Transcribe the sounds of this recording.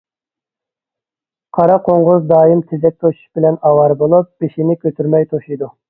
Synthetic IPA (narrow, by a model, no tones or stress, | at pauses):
qʰɑɾɑqʰoɴʁʊzd̪ɑːjimt̪ʰezɛk̚ʲt̪ʰoʃu̥ʃbɪlɛnɑwɑɾbolˠup̚b̥eʃinɪkʲøt̪ʰyɾmɛjt̪ʰoʃijd̪u